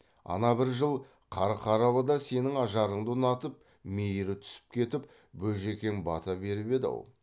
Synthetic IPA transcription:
ɑ̰nɑbɪɾʒəlˠ | qʰɑɾɑqʰɑɾɑlˠəd̪ɑse̞nɪŋɑʒɑɾəɴd̪ənɑt̪əp̚ | me̞jɪɾɪt̪ʰʏ̥sɪ̥p̚kʲʰe̞t̪ɪp | bɵʒe̞kʲe̞nbɑ̰t̪ɑbe̞ɾɪbe̞d̪ɪ̰wo̰lˠ

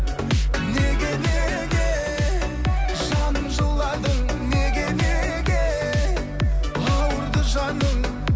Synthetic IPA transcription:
ne̞ɡʲene | ɡʲe | ʒɑnəmʒəlˠːɑd̪əɴneɡʲe̞neɡʲe | ɑwəɾd̪əʒɑnəɴ

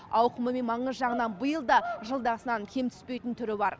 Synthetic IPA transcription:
ɑwqəməmenmɑɴəzʒɑʁənɑnbəjəlˠd̪ɑʒəlˠd̪ɑəsənɑŋkʲʰe̞mt̪ʰʏ̥spe̞jt̪ɪnt̪ʰʏɾɪbɑɾ

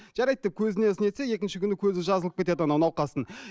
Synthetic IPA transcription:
ʒ̥ɑɾɑjt̪̚dep̚kʲʰɵzɪnesne̞t̪seje̞kʲɪnʃɪkʲʰʏnɪkʲʰɵzɪʒɑzəlˠəp̚kʲe̞t̪e̞d̪ɪnɑnɑwnɑwqɑsən

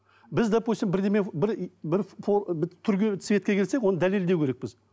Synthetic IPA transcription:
bɪzd̪apusimbɪɾd̪emebɪɾbɪɾfobt̪ʰʏɾkʲsɪvʲet̪kʲe̞kʲʰelsekwo̞nəd̪æle̞ld̪ewkʲʰeɾek̚bɪz

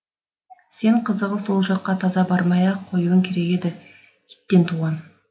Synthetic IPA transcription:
se̞ɴqʰəzəʁəso̞lˠʒɑqːɑt̪ʰɑzɑbɑɾmɑjɑqʰo̞juwəŋkʲʰe̞ɾe̞ɡʲe̞d̪ɪ | it̪ːe̞nt̪ʰuʁɑn

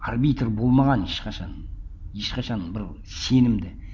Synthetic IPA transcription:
arbit̪rbo̞lˠmɑʁɑneʃqɑʃɑneʃqɑʃɑnbɪɾ | se̞nɪmd̪ɪ

